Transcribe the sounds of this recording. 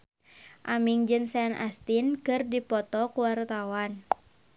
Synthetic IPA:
ʔamiŋd͡ʒɨnsɛnʔa̰st̪inkɨrdipɔt̪ɔkuwart̪awan

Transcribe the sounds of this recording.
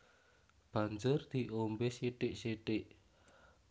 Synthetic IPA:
b̥a̤ɲd͡ʒʊrd̪̥i̤ʔombeseʈɪʔseʈɪʔ

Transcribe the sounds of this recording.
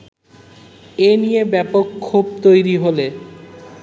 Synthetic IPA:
enijebɛpokkʰːub̚t̪ojɾiɦole

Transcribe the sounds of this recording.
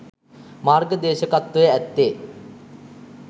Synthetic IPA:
maːrɡəd̪eːʃəkat̪ːʋəjəæt̪ːeː

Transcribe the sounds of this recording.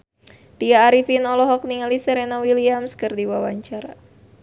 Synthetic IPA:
t̪iaːɾifinɔlɔɦɔk̚niŋalisɛɾenawiliamskɨrdiwawaɲt͡ʃaɾa

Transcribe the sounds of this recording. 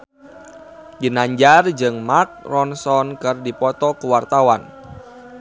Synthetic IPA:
d͡ʒinaɲd͡ʒard͡ʒɨŋmak̚rɔnsɔnkɨrdipɔt̪ɔkəwart̪awan

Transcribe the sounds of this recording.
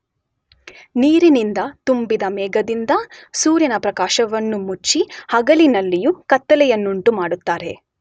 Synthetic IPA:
niːɾinind̪ɐt̪umbid̪ɐmɛːɡɐd̪ind̪ɐsuːɾjɐnɐpɾɐkaːʃɐʋɐnːumut͡ʃːihɐɡɐlinɐlːijukɐt̪ːɐlɛjɐnːuɳʈumaːɽut̪ːaːɾe̞

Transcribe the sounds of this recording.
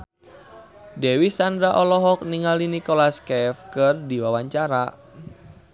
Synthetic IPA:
dɛwisandɾaʔɔlɔɦɔk̚niŋalinikɔlaskɛfkɨrdiwawaɲt͡ʃaɾa

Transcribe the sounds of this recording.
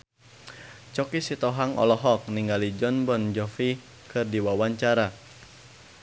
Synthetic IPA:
t͡ʃɔkisit̪ɔɦaŋɔ̰lɔɦɔk̚niŋɡalid͡ʒɔnbɔnd͡ʒɔfi | kɨrdiwawaɲt͡ʃaɾa

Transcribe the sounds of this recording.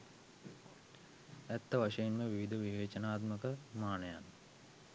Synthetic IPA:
æt̪ːəʋaʂɐjenməʋiʋid̪ʱəʋiʋeːt͡ʃənaːt̪məkəmaːnəja̰n

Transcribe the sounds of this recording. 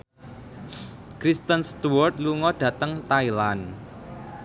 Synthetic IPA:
kɾist̪ənst̪uwɔrt̪̚luŋɔd̥ä̤t̪əŋt̪ailan

